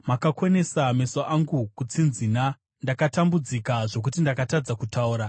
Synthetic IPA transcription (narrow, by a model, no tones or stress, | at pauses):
makakwone̞same̞soʔaŋɡukut͡sinzina | ndakatambud͡zikaʐo̞k̬utindakatad͡zakutauːɾa